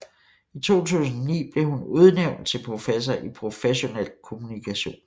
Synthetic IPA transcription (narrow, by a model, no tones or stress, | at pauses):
it͡sʰo̝̰ːt͡sʰṵːsn̩ɐnḭːb̥le̝ɦunuð̞ˠneʊ̰nd̥̚t͡sʰe̝lpʰʁo̝fes̬ɐʔipʰʁo̝feɕo̝nḛl̰kʰo̝munikʰæɕo̝̰ːn